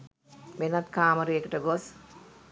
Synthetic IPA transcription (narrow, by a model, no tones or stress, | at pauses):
ʋenɐt̪kaːmɐɾejekəʈəɡos